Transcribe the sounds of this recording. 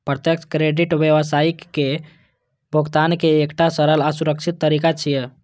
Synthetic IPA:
pɾət̪jəkt͡ʃkɾeɖiʈʋjəʋəsaikːe | bʱoɡt̪ankeːkʈasəɾəlasuɾək̚t͡ʃʰit̪ːəɾikat͡ʃʰijɛ

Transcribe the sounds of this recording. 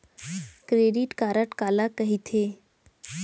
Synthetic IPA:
kɾeːɖiʈkaːɾəʈkaːlakəɦit̪ʰeː

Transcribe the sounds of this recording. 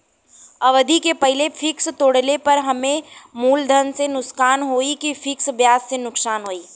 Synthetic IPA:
ɐʋəd̪ikepɐɦɪlefʰɪkst̪oːɽlepɐɾɦɐmẽmuːld̪ʱɐnsenʊskaːnɦoːikifʰɪksʋjaːsːenʊksaːnɦoːiː

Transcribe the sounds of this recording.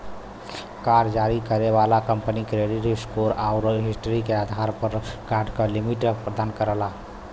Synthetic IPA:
kaɾd͡ʒaɾikəɾeʋalakəmpənikɾeɖiʈeskoɾaʊɾɦisʈɾikead̪ʱaɾpəɾkaʈkəlimiʈpɾəd̪aːnkəɾəla

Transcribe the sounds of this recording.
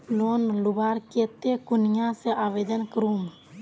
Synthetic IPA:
lonlubaɾket̪ːekunijaseʔaʋed̪ənkəɾum

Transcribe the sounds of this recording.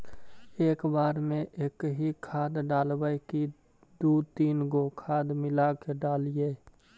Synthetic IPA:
eːkbaːɾmẽʔeːkɦikʰaːd̪ɖaːlbəjki | d̪uːt̪iːnɡokʰaːd̪mɪlakeɖaːlieː

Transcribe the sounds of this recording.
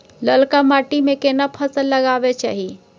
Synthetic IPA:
ləlkamaːʈimẽkeːnapʰəsəlːəɡaːʋet͡ʃa̰ːɦi

